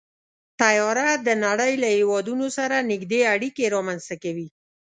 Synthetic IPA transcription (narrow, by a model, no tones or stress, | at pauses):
t̪ajɑɾad̪ənaɽəjlahewɑd̪unosaɾanɪɡd̪eaɽikeɾɑmanst̪akawi